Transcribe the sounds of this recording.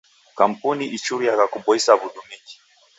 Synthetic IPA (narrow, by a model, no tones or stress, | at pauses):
kam̩puniʔit͡ʃuɾijakakuɓɔisaβuɗumiki̥